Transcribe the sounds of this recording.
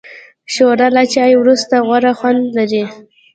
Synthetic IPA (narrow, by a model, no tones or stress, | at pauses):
ʃoɾalat͡ʃajwɾust̪aɣwaɾaxwand̪laɾi